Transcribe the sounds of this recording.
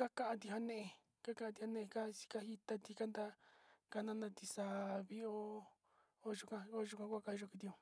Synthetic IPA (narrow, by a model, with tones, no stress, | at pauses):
ka˦ka˧ʔã˧t̪i˧˨ɦa˧nẽ˦ʔe˧ | ka˦ka˧˦a˧t̪i˧ha˧nẽ˦ʔe˧ka˦si̥˧ka˦hi˦t̪a˧t̪i˧ka˦nd̪a˦˧ka˧nã˦˧nã˧t̪i˧sa˧βi˦o˦ | o˦ʒu˧kã˧o˦ʒu˧kã˧kʷu˦a˧ka˧i˧ʒo˧ki˧t̪̬i˧o˧